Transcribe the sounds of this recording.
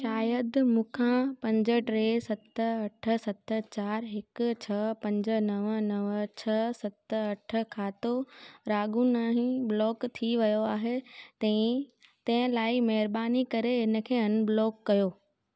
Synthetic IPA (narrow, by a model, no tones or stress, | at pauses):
ʃaːjəd̪mũːkʰãpɐ̃ɲd͡ʑəʈɾeːsɐt̪ɐʈʰə̆sɐt̪ə̆t͡ɕaːɾɦɪkʊt͡ɕʰɐpɐ̃ɲd͡ʑə̆nɐʋənɐʋt͡ɕʰɐsɐt̪əɐʈʰə̆kʰaːt̪oɾaːɡũnaːɦĩblɔːkt̪ʰiʋɐjoaːɦet̪ɐ̃ɪ̃t̪ɐ̃ɦɪ̃laːimɐɦɪɾbaːnikɐɾeɦɪnə̆kʰeːɐnblɔːkːɐjoː